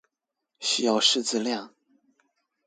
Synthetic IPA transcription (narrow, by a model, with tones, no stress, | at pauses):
ɕy˥˧jɑ˥˧ʊʂɻ̩˥˧t͡sɹ̩˥˧ljɑ˥˩ŋ